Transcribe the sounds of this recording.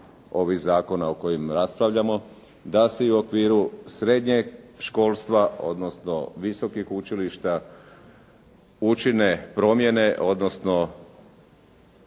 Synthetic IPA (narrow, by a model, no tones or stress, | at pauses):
o̞ʋiɣzaːko̞naoko̞jimɾaspɾaʋʎamo̞ | d̪aseiuo̞kʋiːɾusɾe̞d̪ɲeɡʃko̞ːlˠst̪ʋao̞̰d̪no̞sno̞ʋiso̞kixut͡ʃiliʃt̪a | ut͡ʃine̞pɾo̞mje̞ne̞ʔo̞d̪nosno̞